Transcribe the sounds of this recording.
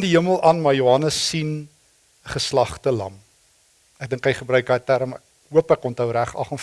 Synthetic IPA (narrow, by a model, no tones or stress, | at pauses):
ndiɦəməlˠʔɐnmɑːjuɐnəsːin | əχəslɐχtəlɐ̰m | æk̚dəŋkɦɛjχəbrœɥk̚dɑjtæɾəmæ̰k̚ | ɦuəpækɔntɦəwɾæχɐ̰χɔn